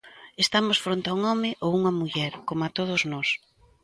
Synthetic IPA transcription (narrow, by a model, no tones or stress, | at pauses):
est̪amʊsfɾont̪auŋɔmɪʔowuŋɐmuʎɛɾkomat̪oð̞ʊznɔs